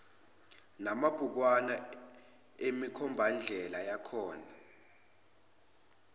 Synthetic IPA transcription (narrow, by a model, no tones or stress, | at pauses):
namab̥ʱuk̬wana | emikʰɔmbʱand͡ɮʱɛlajakʰɔːna